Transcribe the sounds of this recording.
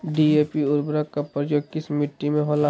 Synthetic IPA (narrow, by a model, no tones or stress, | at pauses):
ɖieːpiʊɾbɾəkːɐpːəɾd͡ʒoːkɪsmɪʈːimẽɦola